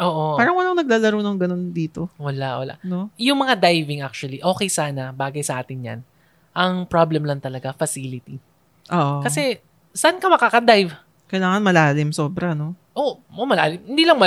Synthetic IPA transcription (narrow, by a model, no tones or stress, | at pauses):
ʔoːʔoaːɾɐŋwɐlɐŋnɐɡ̚laːlɐɾownoŋɡɐno̞nd̪iːt̪o̞wɐlaʔwɐ̰la̰ʔnojʊŋmɐŋad̪ajvɪŋʔak̚t͡ʃʊwɐliʔo̞ːkɛjsaːnɐbaːɡɐjsɐʔaːt̪ɪnɲɲɐ̰n | ʔɐŋpɾablɛmlɐŋt̪ɐlɐɡafɐsilɪt̪i | ʔoːʔokɐsɛ | sɐʔankɐmɐkaːkɐd̪ajv | kɐjlaːŋɐnmɐlaːlɪmso̞ːbɾɐno̞ | ʔoomɐla̰ːlɪmhɪnd̪iːlɐŋmɐ